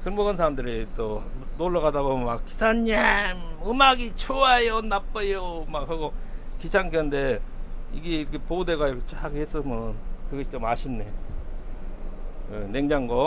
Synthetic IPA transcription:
sʰɯɭmʌɡɯnsʰaɾamdɯɾit͈onoɭːaɡadaɡomakkisʰanːemɯmaɡit͡ɕʰoajonap͈ʌjomak̚haɡokit͡ɕʰaŋkʌndeiɡekɯpodeɡat͡ɕaɡhes͈ɯmʌnkɯɡʌɕʰi̥t͡ɕomaɕʰimne | eneŋd͡ʑaŋɡʌ

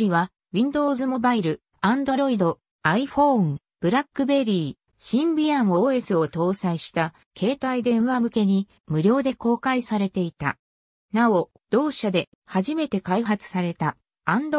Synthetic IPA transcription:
iβa | βʲĩnd̪o̞ːzɨmo̞baiɾɯ̟ | ãnd̪o̞ɾo̞id̪o̞ | aiɸõ̞ŋ | b̥ɯ̟ɾakːɯ̟be̞ɾʲiː | ɕĩmbʲiãɰ̃o̞ːe̞sɨo̞t̪o̞ːsaiɕi̥t̪a | kʰe̞ːt̪aid̪ẽ̞ɰ̃βamɯ̟ke̞ɲ̟i | mɯ̟ɾʲo̞ːd̪e̞ko̞ːkaisaɾe̞t̪e̞it̪a̰ | nao̞ | d̪̥o̞ːɕad̪e̞ | haʑime̞t̪e̞kaiɦat͡sɨ̥saɾe̞t̪a | ãnd̪

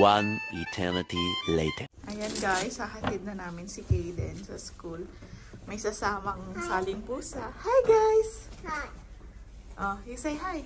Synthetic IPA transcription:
wãnit̪ʰɛɹnɪt̪ilet̪ʰɛʔɐjanɡajsɐɦɐt̪ɪd̪̚nɐnaːmɪnsɪkejlɛ̰nsɐskul | mɐjsɐsaːmɐŋsaːlɪŋpuːsɐhajɡajs | ʔojusejɦaj

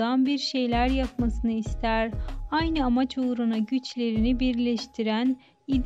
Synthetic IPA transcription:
anbiɾʃe̞jlʲæɾjapmasɯnɯist̪ʰæɾajnɯamat͡ʃoɾunaɟyt͡ʃlʲe̞ɾinibiɾlʲɛʃt̪ʰiɾæn | id̪

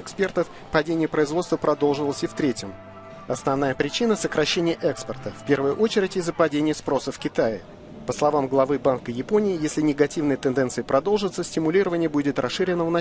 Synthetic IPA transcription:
ɪkspʲert̪əf | pɐdʲenʲɪjəpɾəɪzvo̞t̪st̪vəpɾɐd̪o̞lˠʐɨvlˠəsʲɪft̪ɾʲetʲɪm | ɐsnɐvnajəpɾʲɪt͡ɕinəsəkɾɐɕːenʲɪjəʔɛkspərt̪əfʲpʲe̞rvəjʊʔo̞t͡ɕɪɾʲɪtʲɪzːəpɐdʲenʲɪjəspɾo̞səfkʲɪt̪ajɪ | pəslˠɐvamɡlˠɐvɨbankəjɪpo̞nʲɪɪjesʲlʲɪnʲɪɡɐtʲivnɨjət̪ɨnd̪ɛnt̪sɨjɪpɾɐd̪o̞lˠʐɨt̪səsʲtʲɪmʊlʲiɾəvənʲɪjəbudʲɪt̪rʔɐsʂɨɾʲɪnənɐ

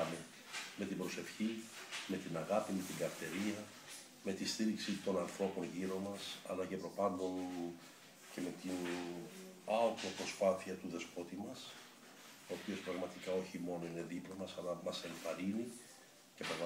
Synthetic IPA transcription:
me | me̞t̪ibɾo̞se̞fçime̞t̪inɐɣɐpime̞t̪iɡɐɾt̪e̞ɾiɐ | me̞t̪ist̪iɾiksit̪o̞nɐnθɾo̞po̞nʝiɾo̞mɐsɐ̰lɐce̞pɾo̞pɐnd̪o̞n | ce̞me̞t̪in | ɐot̪o̞pɾo̞spɐθiɐt̪uðe̞spo̞t̪imɐs | o̞ːpio̞spɾɐɣmɐt̪ikɐo̞çimo̞no̞ine̞ðiplomɐsɐlɐmɐse̞ɱfɐɾini | ce̞pɾɐɣ

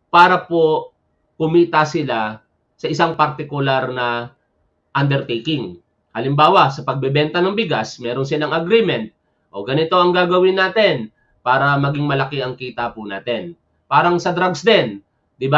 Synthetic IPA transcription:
paːɾɐpo | kʊmiːt̪ɐsɪla | sɐʔɪsaŋpɐɾt̪ɪkʊlaɾnɐ | ʔɐnd̪ɛɾt̪ejkɪŋ | hɐlɪmbaːwɐsɐpɐɡ̚bɛbɛnt̪ɐnɐŋbɪɡasmɛːɾonsɪlɐŋɐɡɾiːmɛnt̪̚ | ʔo̞ɡɐnɪt̪o̞ʔɐŋɡaːɡɐwɪnaːt̪ɛn | paːɾɐmɐɡɪŋmɐlɐkɛʔɐŋkiːt̪ɐpʊnaːt̪ɛn | paːɾɐŋsɐd̪ɾaɡsd̪ɛn | d̪ɪba

